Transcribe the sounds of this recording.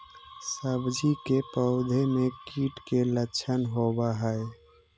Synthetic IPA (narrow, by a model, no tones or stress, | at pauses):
səbd͡ʒikepəʊd̪ʱemekiʈkelətːʃʰənɦobaɦəe